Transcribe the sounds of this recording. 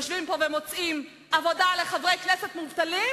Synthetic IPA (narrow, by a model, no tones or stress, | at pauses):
oʃvimpovemo̞t͡sim | ʔavo̞dale̞χavʁejknesetmuvt̪ali